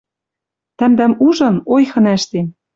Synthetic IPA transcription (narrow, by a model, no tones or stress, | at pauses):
t̪æ̆md̪æmuʒɤ̆nojxɤ̆næʃt̪em